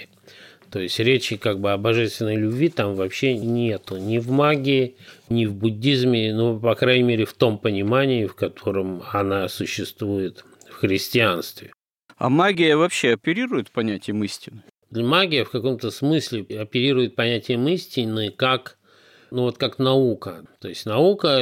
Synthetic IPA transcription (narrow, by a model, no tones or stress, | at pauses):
t̪o̞jɪsʲtʲɾʲet͡ɕɪkaɡ̚bɨɐbɐʐɛst̪vʲɪnːəjlʲʊbʲvʲit̪amvɐpɕːenʲe̞t̪ʊnʲɪvmaɡʲɪɪnʲɪvbʊdʲːizmʲɪnupɐkɾajnʲɪmʲeɾʲɪft̪o̞mpənʲɪmanʲɪɪfkɐt̪ʰo̞ɾəmɐnasʊɕːɪst̪vujɪt̪ | fxɾʲɪsʲtʲɪanst̪vʲɪ | a̰maɡʲɪjəvɐpɕːeɐpʲɪɾʲiɾʊjɪt̪pɐnʲætʲɪjəmɨsʲtʲɪnɨ | d̪lʲmaɡʲɪjəfkɐko̞mt̪əsmɨsʲlʲɪɐpʲɪɾʲiɾʊjɪt̪̚pɐnʲætʲɪjəmɨsʲtʲɪnːɨkak | nuvo̞t̪kaknɐukət̪o̞jɪsʲtʲnɐukə